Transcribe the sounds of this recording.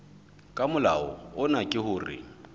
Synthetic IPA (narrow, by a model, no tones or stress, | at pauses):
kʼamʊlaɔ̰ʊnakʼɪɦʊːrɪ̰